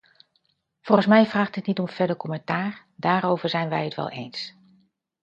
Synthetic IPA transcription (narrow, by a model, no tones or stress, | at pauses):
v̥ɔlˠχənsmɛjvraːχtɦətnitɔmfɛdəkɔmɛntaːɹ | daːɾowvəɹzɛjnʋɛjɦətʋɛ̰lˠḛjns